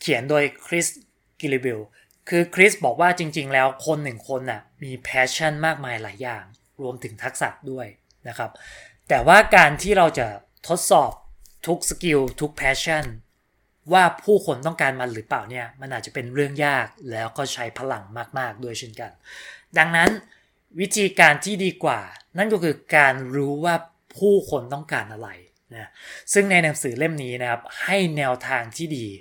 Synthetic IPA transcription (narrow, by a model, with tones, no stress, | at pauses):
kʰi˨˩˦əndoː˧jkʰɾi˦˥s | ki˧li˧˩bi˧w | kʰɯː˧kʰɾi˦˥sbɔː˨˩k̚waː˥˩t͡ɕi˧ŋt͡ɕi˧ŋlɛː˦˥wkʰo˧nːɯ˨˩ŋkʰo˧nːa˨˩miː˧pʰɛː˦˥t͡ɕʰa˥˩nmaː˥˩k̚maː˧jlaː˩˦jːaː˨˩ŋ | ɾu˧əmt̪ʰɯ˩˦ŋt̪ʰa˦˥k̚sa̰˨˩t̚du˥˩əj | na˦˥kʰa˦˥p̚t̪ɛː˨˩waː˥˩kaː˧nt̪ʰiː˥˩ɾa˧wt͡ɕa˨˩ | t̪ʰo˦˥t̪̚sɔː˨˩p̚t̪ʰu˦˥k̚ski˧wt̪ʰu˦˥k̚pʰɛː˦˥t͡ɕʰa˥˩n | waː˥˩pʰuː˥˩kʰo˧nt̪ɔ˥˩ŋkaː˧nmaː˧ɾɯː˩˦paː˨˩wni˥˩ɐma˧nʔaː˨˩t̪̚t͡ɕa˨˩pe˧nɾɯ˥˩əŋjaː˥˩k̚lɛː˦˥wkɔː˥˩t͡ɕʰa˦˥jpʰa˧la˨˩ŋmaː˥˩k̚maː˥˩k̚du˥˩əjt͡ɕʰe˥˩nka˧nda˧ŋna˦˥n | wi˦˥t̪ʰiː˧kaː˧nt̪ʰiː˥˩diː˧kwaː˨˩na˥˩nkɔ˦˥˩kʰɯː˧kaː˧nɾuː˦˥waː˥˩ | pʰuː˥˩kʰo˧nt̪ɔ˥˩ŋkaː˧nʔa˧ɾa˧j | na˦˥sɯ˥˩ŋna˧jna˩˦ŋsɯː˩˦le˥˩mniː˦˥na˦˥kʰa˦˥p̚ha˥˩jnɛː˧wt̪ʰaː˧ŋt̪ʰiː˥˩diː˧